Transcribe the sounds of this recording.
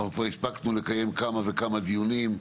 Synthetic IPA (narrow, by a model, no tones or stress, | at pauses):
valkvaʁispaknule̞kaje̞mkamave̞kamad̪ijunim